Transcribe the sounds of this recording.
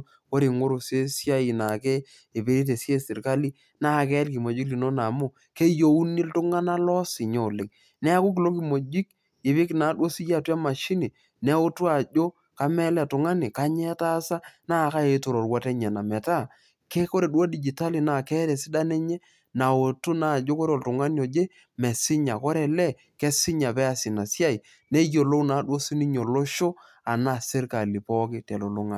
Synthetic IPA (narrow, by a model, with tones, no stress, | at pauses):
ko˦ɾi˨ŋo˦ɾo˨se˦sja˦i˨na˨ke˦ | e˨be˨ɾi˦t̬e˨sje˦sɪ˨ɾka˦li˦ | na˦˨kɛ˦lki˨mo˨d͡ʒi˦kli˨no˦na˨mʊ˦˨ | ke˦jo˦u˦ni˦ltʊ˦ŋa˦na˦lɔ˦sɪ˨ɲo˨lɪ˨ŋ | nɛ˦a˦kʊ˦k̬i˨lo˦ki˨mo˨d͡ʒi˦k̚ | e˨βi˦kna˨˦do˦si˦ja˦˨twa˦ma˨ʃi˦ni˨ | nɛ˨˦ʊ˦twa˨d͡ʒo˦ | ka˦mɛ˦lɛ˦˨tʊ˨ŋa˦ni˨ka˦ɲɛ˦ta˦sa˦naː˦˨ka˦e˨˦to˨ɾo˨ɾwɔ˦tɛ˦ɲɛ˨na˨mɛ˨ta˦˨ | kɛ˦ko˦ɾe˨ɗuwa˦di˨d͡ʒi˨ta˦li˨na˨kɛ˦ɾɛ˨sɪ˦da˦nɛ˦ɲɛ˦ | na˨o˨tu˦na˦˨d͡ʒo˦ko˦ɾɔ˨ltʊ˨ŋa˦ni˦o˨d͡ʒe˦ | mɛ˨sɪ˦ɲa˨kɔ˦ɾɛ˨lɛ˦ | kɛ˦sɪ˦ɲa˨pɛ˦a˨sɪ˨na˨si˦a˦i˨ | nɛ˦jo˨lo˦wna˨˦ɗwo˦si˦ni˦ɲo˨lo˦ʃo˦ | a˨na˦˨sɪ˦ɾka˨li˨pɔ˦kɪ˦tɛ˨lo˨lo˦ŋa̰˨